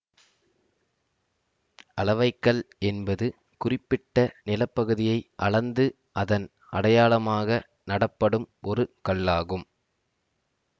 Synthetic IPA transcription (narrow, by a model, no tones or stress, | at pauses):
ʔɐlɐʋɐɪkːɐɭɛnbɐðɯ | kʊrɪpːɪʈːɐnɪlɐpːɐɣɯðɪjɐɪʔɐɭɐnd̪ɯ | ʔɐðɐn | ʔɐɽɐjaːlɐmaːɣɐ | nɐɽɐpːɐɽɯmʔɔɾɯkɐɭːaːɣɯm